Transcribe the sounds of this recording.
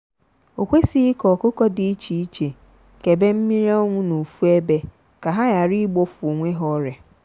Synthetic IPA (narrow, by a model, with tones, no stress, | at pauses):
o˨kʷe˦si˦kɔ˨ko˦kɔ˦dɪ˨i˦t͡ʃi˨i˦t͡ʃe˨ | ke˨be˦m̩˦mi˦ɾe˦ɔ˦ŋʷʊ˦no˨fu˦e˦be˦ | ka˨ɦa˦ja˨ɾi˦ɡ͡bo˦fŋʷe˦ɦɔ˦ɾe˨